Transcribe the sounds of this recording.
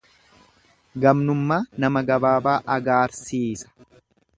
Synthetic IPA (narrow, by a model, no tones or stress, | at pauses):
ɡɐmnʊmːaːnɐmɐɡɐbaːbaːʔɐɡaːɾsiːsɐ̥